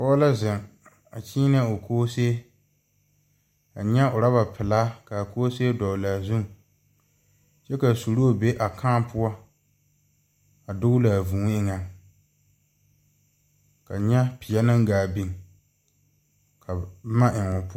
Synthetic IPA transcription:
pɔː˦la˦zɪ˨ŋ | a̰˨t͡ʃiː˦n˦a˦o˨kʰoː˦se˦ | a̰˨ɲɛ˦ʊ˨ɾa˦ba˨pɪ˨la˦ka˨koː˦se˦e˦dɔ˨la˨zu˦ŋ | t͡ʃɛ˦ka˨su˨ɾo˦˨be˦ʔa˨kʰãː˦pʊ˦a˦ | a˨dʊ˦ɡʊ˦la˨vu˨ŋ˦ɪ˦ŋa˦˨ | ka˨ɲɛ˦pɪ˨ɛ˦na˦ŋ˦ɡaː˨bi˦ŋ | kʰa˨˦ma˦ʔɪ˨ŋʊ˨pʊ˦

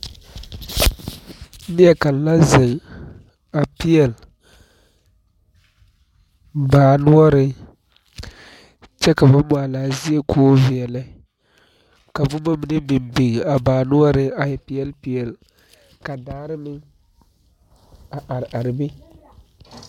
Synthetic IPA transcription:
nɪ˦jɛ˦ka˨lla˦zɪ˨ŋ | a˨pi˦jɛ˨l | baː˨nʊ˦ɔ˦ɾɪ˦ | t͡ʃɛ˦ka˨bʊ˦m˦a˨laː˨zi˦e˦kʰoː˦vi˨ɛ˨la˦ | ka˨vʊ˦ma˦mɪ˨nɨ˦bɪ˨mbi˨ŋa˨baː˨nʊ˦ɔ˦ɾɪ˦a˨jɛ˨pi˦ɛ˦lpi˨jɛ˨l | ka˨daː˦ɾɨ˦nɪ˦ŋ | a˨ʔa˨ɾʔa˨ɾɨ˨bɪ˦

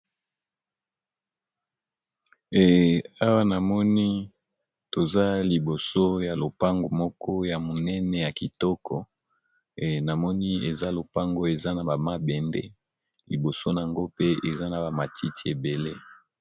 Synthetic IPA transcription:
e˨a˦wa˦na˨mɔ˦ni˦ | to˨za˦li˨bo˨so˦ja˨lo˨pa˦ŋɡo˨mɔ˦kʰɔ˦ja˨mo˨nɛ˦nɛ˨ja˨ki˨tɔ˦kʰɔ˨ | na˨mɔ˦ni˦e˨za˦lo˨pa˦ŋɡo˦e˨za˦na˨ba˨ma˦bɛ˨ndɛ̰˦ | li˨bo˨so˦n˨a˨ŋɡo˦pe˦e˨za˦na˨ba˨ma˨tʰi˦ti˨e˨be˨le˦

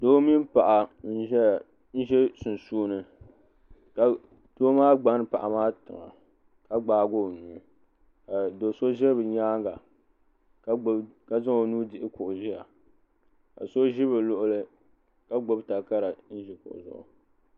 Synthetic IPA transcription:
doː˦mi˦n˦pa˨ʔa˨n̩˦ʒɛ˦˨ | n̩˦ʒɛ˦sʊ˨n˨suː˦nɨ˨ | ka˨ | to˦maː˦ɡ͡ba˦nɨ˨pa̰˨ʔa˨maː˦tɨ˨ŋa̰˨ | ka˦ɡ͡baː˨˦ɡo˦˨nuː˨˦ | ka˨do˨so˦ʒɛ˦bɨ˨ɲaː˦ŋɡa˨ | kka˦zɨ˦ŋo˨nuː˦dɪ˨ʔɪ˦kʊ˨ʔʊ˨ʒɪ˦ja˨ | ka̰˨so˦ʒɪ˦bɨ˨lʊ˦ʔʊ˦lɨ˦ | ka˦ɡ͡bo˦bta˨ka˦ɾa˨n̩˦ʒɪ˨kʊ̰˨ʊ̰˨zʊ̰˨ʔʊ̰˨

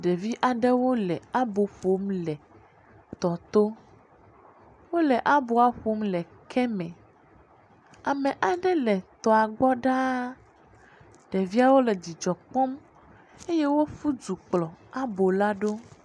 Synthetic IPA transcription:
ɖɛ˨vi˦ʔa˨ɖɛ˦wo˦lɛ˨a˦bo˨ɸo˦mlɛ˨ | t̪ɔ˨t̪o˦ | wo˦lɛ˨ʔa˦bo˨a˨ɸo˦mlɛ˨ | kʰɛ˦mɛ̃˨ | a˨mɛ̃˨ʔa˨ɖɛ˦lɛ˨t̪ɔ˨a˨ɡ͡bɔ˦ɖa˦ | ɖɛ˨vi˦a˦wo˦lɛ˨d͡ʑi˨d͡ʒɔ˨k͡pɔ˦m | e˦jɛ˦wo˦fu˦d͡ʒu˨k͡plɔ˨a˦bo˨la˦ɖo˦

